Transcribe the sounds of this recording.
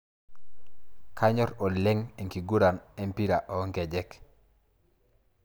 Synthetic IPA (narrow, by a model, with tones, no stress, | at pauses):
kʰa˦ɲɔ˦ɾɔ˨lɛ˦ŋe˨ŋki˨ɡu˦ɾa˨nɛ˦mpi˦ɾa˨ʔɔ˨˦ŋkɛ˨d͡ʒɛ˦k